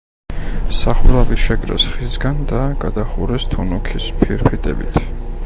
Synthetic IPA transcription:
saχuɾavisʃɛkʼɾɛ̰sχisɡand̪aɡ̥ad̪aχuɾɛst̪ʰunukʰispʰiɾpʰit̪ʼɛ̰bḭt̪ʰ

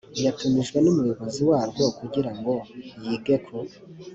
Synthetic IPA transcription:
ijatumiʒɡwe̞numujoβo̞ziwaːɾɡwokuɡiɾaŋɡo̞jiːɡe̞kʰo

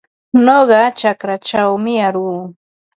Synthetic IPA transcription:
noɢɑt͡ʃakɾat͡ʃawmɪaɾuː

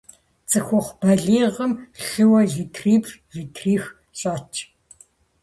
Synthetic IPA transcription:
t͡sʼɨxʷʊχʷb̥ɐɮiːʁəmɬɨwɐɮiːtʰriːprʒiːtʰriːx | ɕʼaːt͡ʃʰ

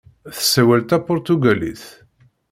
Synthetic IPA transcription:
θə̥sːæwælt̪æpʊɾt̪uɡælḭθ

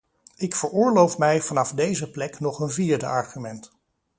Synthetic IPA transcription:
ɪkfəɹʊːɹlowfmɛjvɑnɑfdejzəplɛknɔχənvɪːɹdə̰ʔɑɹχymɛnt

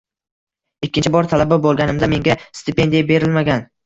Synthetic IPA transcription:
ɪkʲːɪnt͡ʃʰɪbɒɾt̪ʰalababolˠɡʲanɪmd̪ame̞ŋɡʲast̪ɪpʰe̞nd̪ijabe̞ɾɪlmaɡʲan

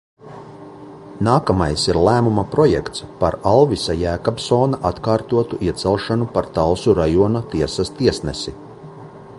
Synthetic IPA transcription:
naːkamajsiɾlˠæːmumapɾɔjɛ̰kt̪spaɾalˠvisajæːkabsoːnaʔat̪kaːɾt̪uɔt̪uʔiɛt̪sɛlˠʃanupaɾt̪alsuɾajuɔnat̪iɛsast̪iɛsnɛsi

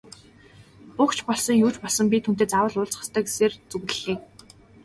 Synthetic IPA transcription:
pʊkt͡ɕʰpɔɮsɞ̆ŋjuːt͡ɕpɔɮsɞ̆mpʲit̪ʰun̥t̪eːt͡sawə̆ɮʊːɮt͡sχə̥̆st̪ʰœːɡe̥seːrt͡sɵɣɮɘ̆ɮeːk̚

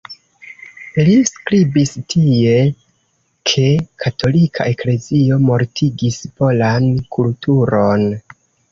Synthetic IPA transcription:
liskɾibistʰie̞ | kʰe̞kʰatʰo̞likʰa̰ʔe̞kle̞zio̞mo̞ɾtʰiɡispo̞lankʰultuɾo̞n

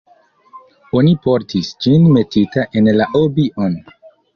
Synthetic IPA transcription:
o̞nipo̞ɾtʰisd͡ʒinme̞titaʔe̞nlaʔobiʔon

